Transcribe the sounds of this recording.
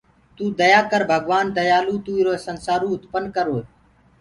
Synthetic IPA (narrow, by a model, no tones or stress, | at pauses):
t̪uːd̪əjaːkəɾbʱəɡʋaːnd̪əjaːluːt̪uːiɾoːsənsaːɾũːʊt̪pənkəɾoː